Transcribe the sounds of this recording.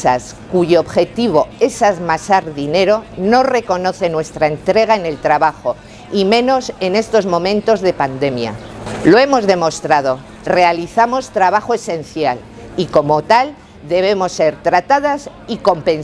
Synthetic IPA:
a̰s | kuʝoːβxe̞t̪iβ̞o̞e̞saðmasaɾðine̞ɾo̞no̞re̞ko̞no̞θe̞nwe̞st̪ɾaent̪ɾe̞ɣ̞aene̞lt̪ɾaβaxo̞ | imẽ̞no̞se̞ne̞st̪o̞zmõ̞mẽ̞nt̪o̞zðe̞pand̪e̞mja̰ | lo̞e̞mo̞zðe̞mo̞st̪ɾað̞o̞ | re̞aliθamo̞st̪ɾaβaχoesẽ̞n̟θjal | iko̞mo̞t̪al | d̪e̞β̞e̞mo̞sːe̞ɾt̪ɾat̪aðasiko̞mpẽ̞n

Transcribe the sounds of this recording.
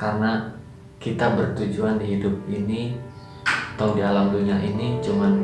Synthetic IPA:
karəna | kit̪abərt̪ud͡ʒuandiɦidʊp̚ini | t̪awdialamduɲaʔinit͡ʃuman

